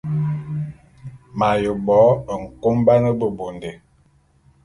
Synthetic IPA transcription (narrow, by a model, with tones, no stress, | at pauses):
ma˨jə˨bɔ˨˦ə˨ŋ̩˨ko˦mba˦nə˦bə˨bo˨nde˨